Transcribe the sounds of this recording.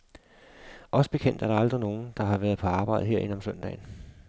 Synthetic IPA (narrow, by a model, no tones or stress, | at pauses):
ʔɒ̽sə̥b̥e̝kʰen̰d̥æɐɾ̥ɑ̈ɑ̈ld̥ʁino̝ːn̩d̥ɑ̈ɦɑ̈ʋæɐð̞̩ˠpʰɒ̽ɑ̈ːb̥ɑ̈ɪ̰ð̩ˠɦe̝ɐ̰e̝nɒ̽msœn̰d̥ɛ̰ːn̩